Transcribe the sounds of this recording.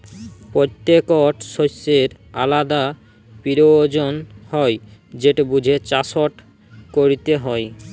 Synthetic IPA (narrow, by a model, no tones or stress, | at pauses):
pɾot̪ːekɔʈʃoseɾ | a̰lad̪a | piɾod͡ʑonhɔjd͡ʑeʈebud͡ʑʱet͡ɕasoʈ | koɾit̪eɦɔj